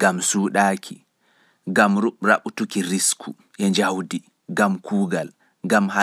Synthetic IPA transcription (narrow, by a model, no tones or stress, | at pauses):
ɡamsuːɗaːkʰi | ɡamɾuɓɾa̰ɓutukiɾiskʰṵ | ʔɛnd͡ʒawdi | ɡamkuːɡal | ɡamha